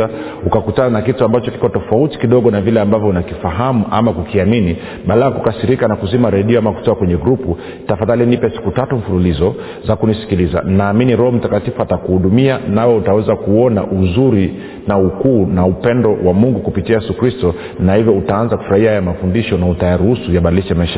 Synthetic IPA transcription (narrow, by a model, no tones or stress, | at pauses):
a | ukakutananakituambat͡ʃɔki̥kɔtɔfauti̥kiɗɔɠɔnavilɛambavjɔunakifaɦamuʔa̰makukiamini | ɓalaakukasiɾikanakuzimaɾɛɗiɔamaku̥tɔakwɛɲɛɡɾupu | tafaðalinipɛsi̥kutatuɱ̩fululizɔ | zakunisi̥kiliza̰nnaːminiɾɔhɔm̩takatifuatakuhuɗumianawɛutawɛzakuɔna̰ʔuzuɾi | naukuːnaupɛndɔwamuŋɡukupitiajɛsukɾistɔ | nahivjɔutaanzakufuɾahiajamafundiʃɔnautajaɾuhusujaɓaɗiliʃamaɛʃa